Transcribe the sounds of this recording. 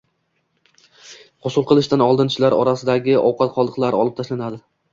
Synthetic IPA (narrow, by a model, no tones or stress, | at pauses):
qʰʊsʊlˠqʰɨlˠɪʃt̪anɒlˠd̪ɪnt͡ʃʰɪlaɾɒɾasɪd̪aɡʲɪʔɒwqʰɑt̪̚qʰɒlˠd̪ɨqlˠaɾɒlˠɪp̚t̪ʰaʃlanad̪ɪ